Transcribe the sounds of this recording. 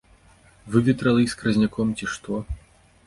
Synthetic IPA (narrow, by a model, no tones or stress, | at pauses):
vɨvʲɛt̪ɾɐlʲˠɨsʲkɾɐzʲnʲakʰɔmt͡sʲiʂt̪ɔ